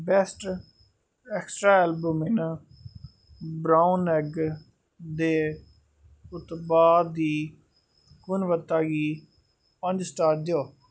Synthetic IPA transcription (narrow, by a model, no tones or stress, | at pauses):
bɛːsʈ | ɛksʈɾaːɛːlbəmɪn | bɾaːunɛɡ | d̪eː | ʊt̪baːd̪iː | kʊnʋət̪ːaːɡiː | pəɲd͡ʒsʈaːɾd͡ʒ̪joː